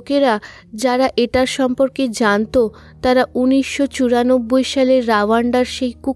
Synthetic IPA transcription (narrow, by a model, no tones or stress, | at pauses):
keɾa | d͡ʑaɾaʔeʈaɾʃɔmpoɾked͡ʑant̪o | t̪aɾaʔuniʃːot͡ɕuɾanobːojʃaleɾːaʋaɳɖaɾʃejku